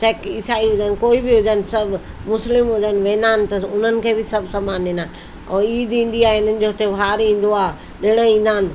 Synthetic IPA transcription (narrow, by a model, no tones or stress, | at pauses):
sɐːkɪsaːiɦʊd͡ʑənɪ̆koːibɪɦʊd͡ʑənɪ̆sɐbʱ | mʊslɪmɦʊd͡ʑənʋẽːnd̪aːnɪ̆t̪ɐʊn̤ənɪ̆kʰeːbɪsɐbʱsɐmaːnĩːnd̪aːn̆ | ɔːiːd̪ĩːn̆d̪iaːeɪnənɪ̆d͡ʑoːɦʊt̪eʋaːɾĩːn̆d̪oaː | ɗɪɽ̃əĩːn̆d̪aːnɪ̆